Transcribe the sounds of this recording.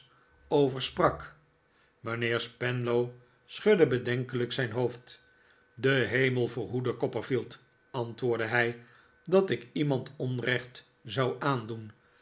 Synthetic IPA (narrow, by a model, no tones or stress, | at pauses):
owvəɹsprɑk | mənɪːɹspɛnlow | sχɵdəbədɛŋkələksɛjnɦowft | dəɦejməlˠvoːɹɦudəkɔpəɹfilˠt | ɑntʋʊːɹdəɦɛj | dɑtɪkimɑntʰɔnrɛχt | zɑwaːndun